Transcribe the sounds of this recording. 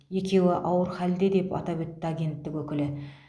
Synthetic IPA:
je̞kʲe̞wɪʔɑwəɾχæld̪e̞d̪e̞pɑ̰t̪ɑbɪt̪ːɪaɡʲe̞nt̪ːɪkwɵkʲɪlɪ

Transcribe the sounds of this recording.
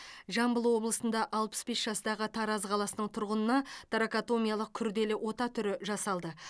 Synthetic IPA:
ʒɑmbəlˠwo̞blˠəsənd̪ɑʔɑlˠpə̥sbe̞sʒ̥ɑst̪ɑʁət̪ʰɑɾɑzqʰɑlˠɑsənəɴt̪ʰʊɾʁənənɑt̪ɾakat̪o̞mʲijaɑlˠəq̚kʲʰʏɾd̪e̞lɪwo̞t̪ɑt̪ʰʏɾɪʒɑsɑlˠd̪ə

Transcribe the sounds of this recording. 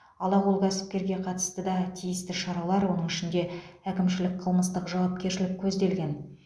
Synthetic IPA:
ɑlˠɑʁulˠkʲʰæsɪ̥p̚kʲe̞ɾɡʲe̞qʰɑt̪ə̥st̪əd̪ɑt̪ʰijɪst̪ɪʃɑɾɑlˠɑɾwo̞nəŋɪʃɪnd̪e̞ækʲɪmʃɪlɪk̚qʰəlˠməst̪əqʒɑwɑp̚kʲe̞ɾʃɪlɪk̚ʲʰɵzd̪e̞lɡʲe̞n

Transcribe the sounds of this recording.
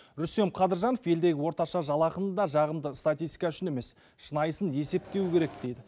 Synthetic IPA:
ɾʏst̪e̞mqʰɑd̪əɾʒɑnofje̞ld̪e̞ɡʲɪwo̞ɾt̪ɑʃɑʒɑlˠɑqənd̪ɑʒɑʁəmd̪əst̪at̪ijst̪ʲijkɑʏʃɪne̞me̞s | ʃənɑjəsənje̞se̞p̚t̪e̞wɪkʲʰe̞ɾek̚d̪̥e̞jd̪ɪ

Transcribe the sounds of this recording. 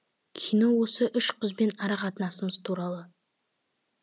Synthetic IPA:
kʲʰijno̞wo̞səʔʏʃqʰʊzbe̞nɑɾɑqɑt̪ənɑsəməzt̪ʰuɾɑlˠə

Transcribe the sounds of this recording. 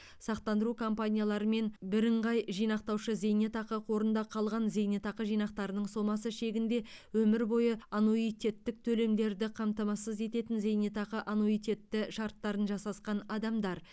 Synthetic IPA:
sɑq̚t̪ɑnd̪əɾukʰo̞mpanʲijalˠɑɾəme̞nbɪɾɪɴʁɑjʒijnɑq̚t̪ɑwʃəze̞jnet̪ɑqəqʰo̞ɾənd̪ɑqʰɑlˠʁɑnzejnet̪ɑqəʒijnɑqt̪ɑɾənəɴso̞mɑsəʃe̞ɡʲɪnd̪e̞wɵmɪɾbo̞jəɑnoijt̪ʲe̞t̪ːɪk̚t̪ʰɵle̞md̪e̞ɾd̪ɪqʰɑmt̪ɑmɑsəze̞t̪e̞t̪ɪnze̞jnet̪ɑqəʔanoijt̪e̞t̪ːɪʃɑɾt̪ːɑɾənʒɑsɑsqɑnɑd̪ɑmd̪ɑɾ

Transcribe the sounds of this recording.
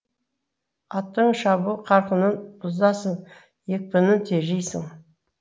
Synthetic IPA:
ɑt̪ːəɴʃɑbuqʰɑɾqənənbʊzd̪ɑsən | jek̚pɪnɪnt̪ʰeʒejsɪŋ

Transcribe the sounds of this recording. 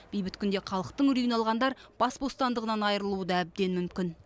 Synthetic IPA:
b̥ejbɪt̪kʲʰʏnd̪e̞χʰɑlˠəq̚t̪əɴʏɾijɪnɑlˠʁɑnd̪ɑɾb̥ɑsbo̞st̪ɑnd̪əʁənɑnɑjəɾəlˠuəd̪ɑæb̚d̪e̞nmʏmkʲɪn

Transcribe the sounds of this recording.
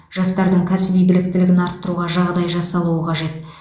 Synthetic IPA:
ʒ̥ɑst̪ɑɾd̪əɴkʲʰæsɪbijbɪlɪk̚t̪ɪlɪɡʲɪnɑɾt̪ːəɾuʁɑʒɑʁd̪ɑjʒɑsɑlˠuəqʰɑʒe̞t̪

